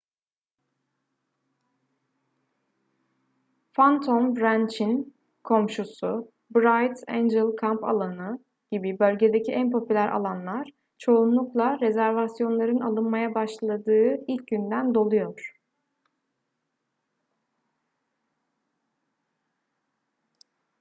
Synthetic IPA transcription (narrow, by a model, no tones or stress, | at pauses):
fant̪ʰombɾænt͡ʃin | kʰo̞mʃusu | bɾajt̪ʰḛnd͡ʒɛlˠkʰampʰa̰lˠanɯ | ɟ̥ibibø̞lʲɟe̞d̪ecʰiʔænpʰo̞pʰylʲæɾʔa̰lˠanlˠaɾ̥ | t͡ʃʰo̞unlˠuklˠaɾe̞zæɾvasjo̞nlˠaɾɯnalˠɯnmajabaʃlˠad̪ɯːilʲc̚ɟynd̪ænd̪o̞lˠujo̞ɾ̥